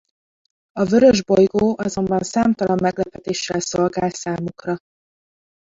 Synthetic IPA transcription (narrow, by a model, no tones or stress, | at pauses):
ɒvøɾø̞ʒbo̞jɡoːʔɒzo̞mbɒnsaːmt̪ɒlɒmːɛɡlɛpɛt̪eːʃːɛlso̞lɡaːlsaːmukrɒ